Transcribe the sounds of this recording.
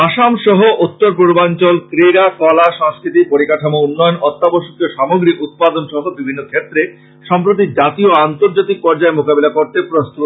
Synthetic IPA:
aʃamʃɔɦoʔut̪ːoɾpuɾbant͡ɕɔlkɾeɾakɔlaʃɔŋskɾit̪ipoɾikaʈʰamounːɔjonɔt̪ːaboʃokioʃɔmoɡɾikut̪̚pad̪onʃɔɦobibʱinːokʰet̪ːɾe | ʃɔmpɾot̪̬id͡ʑat̪ioant̪oɾd͡ʑat̪ik̚pɔɾd͡ʑaemokabelakoɾt̪epɾost̪u

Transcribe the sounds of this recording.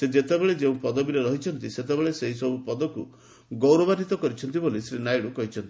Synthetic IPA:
sed͡ʒet̪ebeɭed͡ʒeũpɔd̪ɔbiɾeɾɔɦit͡ʃʰɔnt̪iset̪ebeɭeseɦisɔbupɔd̪ɔku | ɡɔwɾɔbad̪ʱit̪ɔkɔɾit͡ʃʰɔnt̪ibolisɾinajɽukɔɦit͡ʃʰɔnt̪i̥

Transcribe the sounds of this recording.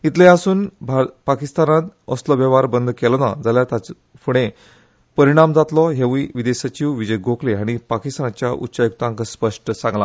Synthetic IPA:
it̪lẽasuːnbʱapakist̪anat̪ɔslɔʋəʋaɾbənd̪kɛlɔna̰d͡zaljaɾt̪at͡s | pʰuɽ̃ẽ | pəɾiɽ̃amd͡zat̪lɔɦeʋiʋid̪eɕat͡ɕiwʋid͡ʑəjɡʱokleaɽ̃ipakist̪anat͡ɕjaʔṵtːɕajuk̚t̪ãŋkəspəʂʈəsãŋɡla

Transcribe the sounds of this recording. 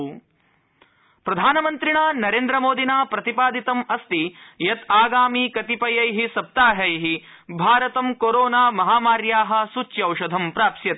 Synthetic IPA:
pɾɐd̪ʱaːnɐmɐnt̪ɾiɳaːnɐɾeːnd̪ɾɐmoːd̪ʱinaːpɾɐt̪ipaːd̪it̪ɐmɐst̪ijɐt̪aːɡaːmiːkɐt̪ipɐjɐjɦisɐp̚t̪aːɦɐjɦi | bʱaːɾɐt̪ɐmkoɾoːnaːmɐɦaːmaːɾjaːɦɐ̆sut͡ʃːjɐwʃɐd̪ʱɐmpɾaːpʃjɐt̪

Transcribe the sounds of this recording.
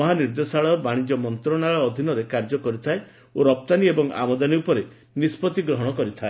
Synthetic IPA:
ɔɦaniɾd̪esaɭɔbaɽ̃id͡ʒɔmɔnt̪ɾɔɽ̃aɭɔːd̪ʱinɔɾekaɾd͡ʒɔkɔɾit̪ʰae | oɾɔp̚t̪aniebɔŋa̰mɔd̪aniupɔɾe | nispɔt̪iɡɾɔɦɔɽ̃ɔkɔɾit̪ʰae

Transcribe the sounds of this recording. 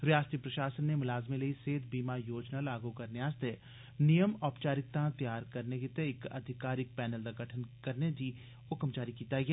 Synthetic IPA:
ɾjaːst̪ipɾɐʃaːsənːemʊlaːzmilɐiseːd̪ʱbiːmajoːd͡ʒnalaːɡukɐɾnɪaːst̪e | nijəmɔːpt͡ʃaːɾɪk̚t̪ãt̪jaːɾkɐɾneket̪eɪkɐ̰d̪ʱɪkaːɾɪk̚pɛːnəld̪aɡʱɐʈʰənkɐɾned͡ʒi | ʊkəmt͡ʃaːɾikiːt̪aijɛː

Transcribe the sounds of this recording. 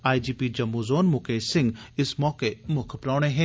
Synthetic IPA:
aːid͡ʒiːpid͡ʒɐmːuzoːnmʊkeːsɪ̃ŋɡɪsmɔːkemʊkʰpɾaːɽ̃ẽɦɛ̃ː

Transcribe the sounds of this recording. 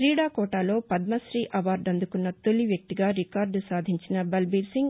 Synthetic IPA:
ɾiːɽaːkɔːʈaːlo̞ːpɐd̪mɐsɾiːʔɐʋaːɾɖɐnd̪ukunːɐt̪oliʋjɐk̚t̪iɡaːɾikaːɾɖsaːd̪ʱiɲt͡ʃinɐbɐlbiːɾsiŋɡ

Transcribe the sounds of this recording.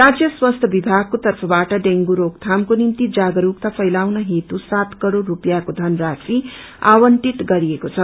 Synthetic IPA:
ɾad͡zjʌswʌst̪ʰʌbibʱaɡ̚kot̪ʌrpʰʌbaʈʌɖeŋɡuɾokt̪ʰamkonimt̪id͡zaɡʌɾuk̚t̪apʰʌjlawnʌɦet̪usat̪kʌɽoɾupjakod̪ʱʌnrasi | a̰wʌɳʈiʈ̪ɡʌɾiekot͡sʰʌ

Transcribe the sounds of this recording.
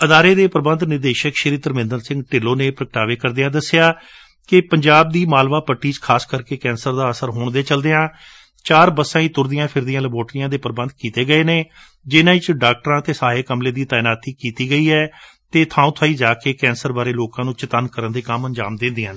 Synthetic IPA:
əd̪aːɾeːd̪eːpəɾəbənd̪nɪɾd̪eːʃəkʃəɾiːt̪əɾmɪ̃nd̪əɾsɪ̃ŋɡʈɪlːoːneːpɾək̚ʈaːʋeːkəɾd̪ɪjãːd̪əsːejaː | kɪpəɲd͡ʒaːb̚d̪iːmaːlʋaːpəʈːiːt͡ʃkʰaːskəɾkeːkɛ̃ːnsəɾd̪aːəsəɾɦoːɳd̪eːt͡ʃəld̪eːãː | t͡ʃaːɾbəsãːĩːt̪ʊɾd̪ɪjãːpʰɪɾd̪ɪjãːləboːɾʈɾijãːd̪eːpəɾbə̃nd̪kiːt̪eːɡəeːneː | d͡ʒɪnãːɪt͡ʃɖaːk̚ʈəɾãːt̪eːsaːeːkəmleːd̪iːt̪aːɪnaːt̪iːkiːt̪iːɡəiːɦɛː | t̪eːt̪ʰãːũːt̪ʰaːiːd͡ʒaːkeːkɛ̃ːnsəɾbaːɾeːloːkãːnũːt͡ʃət̪ankəɾənd̪eːkəməɲd͡ʒa̰ːmd̪ɪ̃nd̪ɪãː

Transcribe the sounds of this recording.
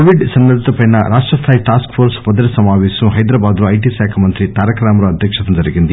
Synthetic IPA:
ɐʋiɖsɐnːɐd̪ʱit̪ɐpɐjnɐɾaːʂʈɾɐst̪ʰaːjiʈaːskfʰoːɾspɐd̪ɐɾisɐmaːʋɛːsuɦɐjd̪ɾaːbaːd̪ɾuɐjʈisaːkʰɐmɐnt̪ɾit̪aːɾɐkɾaːmɐɾuɐd̪ʱjɐkʂɐt̪ɐnd͡ʒɐɾiɡind̪i

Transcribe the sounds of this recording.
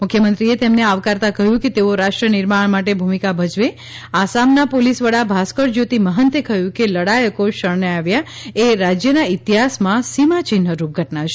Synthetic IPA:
mʊkʰjəmənt̪ɾiet̪emneaʋkaɾt̪akəɦjũket̪eoɾaʃʈɾənɪɾmaɳmaʈebʱumikabʱəd͡ʒʋe | asamnapolisʋəɽabʱaskəɾd͡ʒot̪iməɦənt̪ekəɦjũkeləɽajəkoʃəɾɳeaʋjaeɾad͡ʒjənait̪iɦasmãsimat͡ʃɪn̤əɾup̚ɡʱəʈnat͡ʃʰe

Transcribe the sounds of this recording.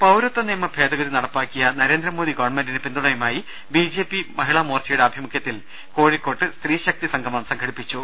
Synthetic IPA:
pɐwɾot̪ːɐniːmːɐbʱe̞ːd̪ɐɡɐðinɐɽɐpːaːkʲːijɐnɐɾe̞ːnd̪ɾɐmo̞ːd̪ikoːɳmendinepind̪uɳɐjɐmaːji | biːd͡ʑe̞ːpimɐɦiɭɐmoːrt͡ɕɐjuɽeɐbʱimukʰjɐt̪ːil | ko̞ːɻikːo̞ːʈːɨst̪riːɕɐk̚t̪isɐŋɡʰʱɐmɐmsɐŋɡʱɐɽipːit͡ɕːu

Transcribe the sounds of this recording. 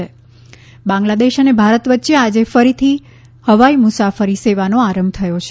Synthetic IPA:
e | bãŋɡlad̪eʃənebʱaɾət̪ʋət̪ːʃead͡ʒefəɾit̪ʰi | həʋaimusafəɾiseʋanoaɾəmb̚t̪ʰəjot͡ʃʰe

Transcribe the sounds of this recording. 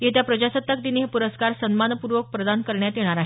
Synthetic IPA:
jet̪japɾəd͡ʑasət̪ːək̚d̪iniɦepuɾəskaɾsənmanpuɾʋək̚pɾəd̪ankəɾɳjat̪jeɽ̃aɾaɦe

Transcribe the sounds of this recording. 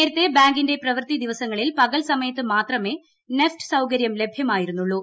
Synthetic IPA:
eːɾut̪ːe̞baːŋɡinde̞prɐʋrt̪id̪iʋɐsɐŋːɐɭilpɐɣɐlsɐmɐjɐt̪ːɨmaːt̪rɐme̞ː | nefʈɨ̥sɐwkɐɾjɐmle̞bʱjɐmaːjiɾunːuɭːu

